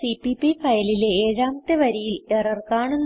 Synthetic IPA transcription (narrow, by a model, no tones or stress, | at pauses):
sipːipːifɐjɐlileeːɾaːmt̪ːeʋɐɾijilerɐrkaːɳunː